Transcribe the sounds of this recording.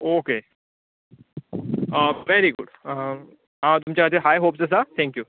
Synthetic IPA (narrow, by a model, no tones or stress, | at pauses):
oke | əʋɛɾiɡʊ̰ɖ | ɦãt̪umt͡ɕaət̪eɦajɦoːpsɛs̬at̪ʰɛ̃ŋkju